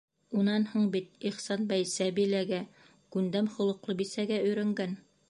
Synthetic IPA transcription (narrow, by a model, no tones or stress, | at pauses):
unɑnhuɴbit̪̚iχsɑnbæjsæbilæɡæ | kʉnd̪æmχŏlˠɤ̆qlˠɤbisæɡæɵ̆jɾɘ̆ŋɡæn